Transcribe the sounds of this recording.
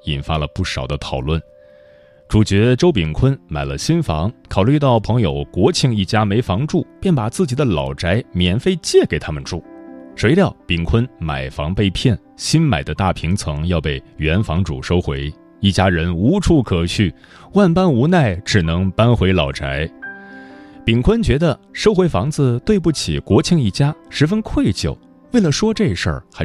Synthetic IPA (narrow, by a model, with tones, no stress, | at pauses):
i˨˩nfa˥lə˨pu˥˩ʂɑ˨˩ʊd̪ə˦t̪ʰɑ˨˩ʊlwə˥˩n | ʈ͡ʂu˨˩t͡ɕɥɛ˧˥ʈ͡ʂo˥ʊpi˨˩ŋkʰwə˥nma˨˩ɪlə˦ɕi˥nfɑ˧˥ŋkʰɑ˨˩ʊly˥˧t̪ɑ˥˩ʊpʰɤ˧˥ŋjo˨˩ʊkwɔ˧˥t͡ɕʰi˥˧ŋi˥˩t͡ɕja˥me˧˥ɪfɑ˧˥ŋʈ͡ʂu˥˩pjɛ˥˩npa˨˩t͡sɹ̩˥˩t͡ɕi˨˩d̪ə˦lɑ˨˩ʊʈ͡ʂa˧˥ɪmjɛ˨˩nfe˥˧ɪt͡ɕjɛ˥˩ke˨˩ɪt̪ʰa˥mə˨nʈ͡ʂu˥˩ʂwe˧˥ɪljɑ˥˩ʊpi˨˩ŋkʰwə˥nma̰˨˩ɪfɑ˧˥ŋpe˥˧ɪpʰjɛ˥˩n | ɕi˥nma̰˨˩ɪd̪ə˦t̪a˥˩pʰi˧˥ŋt͡sʰɤ˧˥ŋjɑ˥˧ʊpe˥˩ɪɥɛ˧˥nfɑ˧˥ŋʈ͡ʂṵ˨˩ʂo˥ʊxwe˧˥ɪ | i˥˩t͡ɕja˥ɻə˧˥nu˧˥ʈ͡ʂʰu˥˩kʰɤ˨˩t͡ɕʰy˥˩ | wa˥˩npa˥nu˧˥na˥˩ɪʈ͡ʂɻ̩˨˩nɤ˧˥ŋpa˥nxwe˧˥ɪlɑ˨˩ʊʈ͡ʂa˧˥ɪ | pi˨˩ŋkʰwə˥nt͡ɕɥɛ˧˥d̪ə˧ʂo˥ʊxwe˧˥ɪfɑ˧˥ŋd͡zɹ̩˧t̪we˥˧ɪp̬u˥˩t͡ɕʰḭ˨˩kwɔ˧˥t͡ɕʰi˥˧ŋi˥˩t͡ɕja˥ʂɻ̩˧˥fə˥nkʰwe˥˩ɪt͡ɕjo̰˨˩ʊ | we˥˩ɪlə˩ʂwɔ˥ʈ͡ʂɤ˥˩i˧˩ʂə̰˞˥˩xa˧˥